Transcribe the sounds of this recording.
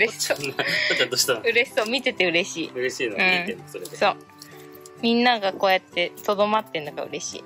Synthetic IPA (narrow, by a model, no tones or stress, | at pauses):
ɯɾeɕi̥sot̪ak̪ːad̪oɕi̥t̪oɯ̟ɾe̞ɕi̥soːmʲit̪e̞t̪e̞ɯ̟ɾe̞ɕḭːɯɾeɕiːnoɯ̃ĩenosoɾeso̞ː | mʲĩnːaɡako̞ːjat̪ːe̞t̪o̞d̪o̞mat̪ːenːoɡa̰ɯ̟ɾe̞ɕḭː